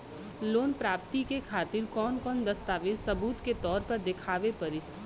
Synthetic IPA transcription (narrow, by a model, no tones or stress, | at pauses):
loːnpɾaːpt̪ikekʰaːt̪ɪɾkɔːnkɔːnd̪ɐst̪aːʋed͡ʒsɐbuːt̪ket̪ɔːɾpɐɾd̪ɪkʰaːʋepɐɾɪt̪